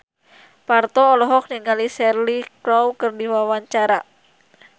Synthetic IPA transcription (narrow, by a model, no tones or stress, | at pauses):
part̪ɔːlɔɦɔk̚niŋalisɛrlikɾɔwkərdiwawaɲt͡ʃaɾa